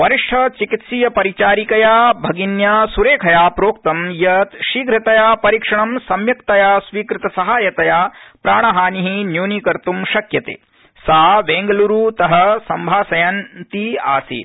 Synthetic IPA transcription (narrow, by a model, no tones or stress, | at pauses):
ʋɐɾiʂʈʰɐt͡ʃikit̪siːjɐpɐɾit͡ʃaːɾikɐjaːbʱɐɡinjaːsuɾeːkʰɐjaːpɾoːk̚t̪ɐmjɐt̪ʃiːɡɾɐt̪ɐjaːpɐɾikʂɐɳɐmsɐmjɐkt̪ɐjaːsʋiːkɾɪt̪ɐsɐɦaːjɐt̪ɐjaːpɾaːɳ̃ɐɦaːniɦinjuːniːkɐɾt̪umʃɐkjɐt̪ḛː | saːʋeːŋɡɐluɾut̪ɐɦɐsɐmbʱaːsɐjant̪ia̰ːsḭːt̪